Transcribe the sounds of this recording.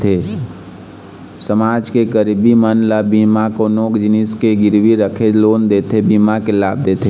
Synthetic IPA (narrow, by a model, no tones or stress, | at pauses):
t̪ʰe | səmaːd͡ʒkeɡəɾbimənlabiːmakonoːkd͡ʒɪniskeɡɪɾwiɾəkʰeloːnd̪eːt̪ʰebiːmakelaːb̚d̪eːt̪ʰe